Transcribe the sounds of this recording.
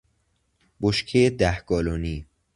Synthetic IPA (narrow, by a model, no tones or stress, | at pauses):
boʃkʰejed̪æhɡ̥ɒːloːniː